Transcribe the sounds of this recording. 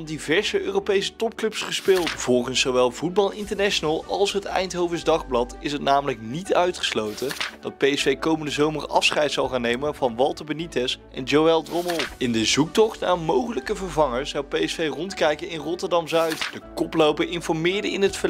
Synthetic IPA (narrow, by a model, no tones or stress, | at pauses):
ndivɛɹzəøːrowpejsə̥tɔp̚klɵpsχəspɪːlˠtv̥ɔlˠχənsːowʋɛlˠvud̚bɑlˠɪntəɹnɛʃonalˠɑlˠsɦətɛ̰jntɦowvəzdɑχblɑtɪsɦətnaːmələknitœɥtχə̥slowtəd̥ɑt̚pejɛsfejkowməndəzowmərɑ̰fsχɛjtsɑlˠχaːnːejmənvɑnʋɑlˠtəɹbənitɛsʔɛ̰nd͡ʒowɛlˠdrɔmɔlˠɪndəzuk̚tɔχtnaːmowχələkəvəɹvɑŋəɹsɑwpejɛsfejrɔntkɛjkənɪnrɔtəɹdɑmzœɥtd̥əkɔplowpəɹɪnfɔɹmɪːɹdəɪnɦətfə